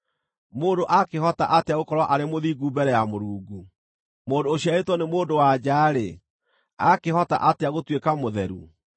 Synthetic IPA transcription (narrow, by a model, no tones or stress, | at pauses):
moːndoʔakehɔtaʔateaɣokɔɾwɔʔaɾemoðiɡubɛɾɛjamoɾuːɡu | moːndoːɕiaetwɔnemoːndowad͡ʑaːɾḛ | akehɔta̰ʔateaɣotwekamoðɛɾṵ